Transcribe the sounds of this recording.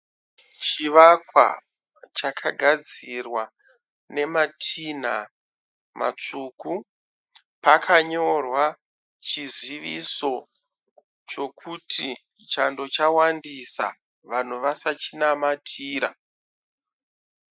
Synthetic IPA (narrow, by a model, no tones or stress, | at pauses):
t͡ʃiʋakwa̰ | t͡ʃakʰaɡʱad͡zirwa | ne̞matʰin̤a̰ | ma̰t͡ʂuːku | pakʰaɲo̞rwa | t͡ʃiziʋiso̞ | t͡ʃo̞kʰutʰi | t͡ʃando̞t͡ʃawandisa̰ | ʋan̤uʋasat͡ʃinamatʰiːɾa